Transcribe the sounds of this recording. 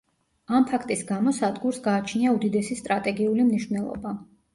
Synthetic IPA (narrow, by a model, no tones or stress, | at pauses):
ampʰakʰt̪ʼisɡamɔsad̪ɡuɾsɡaːt͡ʃʰniaud̪id̪ɛsist̪ʼɾat̪ʼɛɡiulimniʃvnɛlˠɔ̰ba